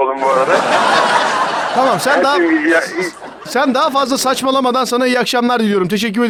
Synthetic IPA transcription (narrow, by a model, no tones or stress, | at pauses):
lˠumbuaɾd̪a | t̪ʰamamsænd̪a | sænd̪aɦafazlˠasat͡ʃmalˠamad̪ansanaijakʃamlˠaɾd̪ilʲijo̞ɾumt̪ʰe̞ʃ̬ɛc̬ːyɾe